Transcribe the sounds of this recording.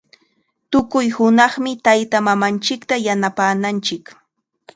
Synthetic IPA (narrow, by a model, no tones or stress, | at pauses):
t̪ʊkʊjhʊnɑχmɪt̪ajt̪amamant͡ʃɪkt̪ajanapaːnant͡ʃɪk